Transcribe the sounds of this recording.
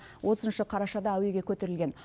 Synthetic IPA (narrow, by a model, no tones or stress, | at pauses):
wʔo̞t̪əznʃəqʰɑɾɑʃɑd̪ɑæwe̞ɡʲe̞kʲʰɵt̪e̞ɾɪlɡʲe̞n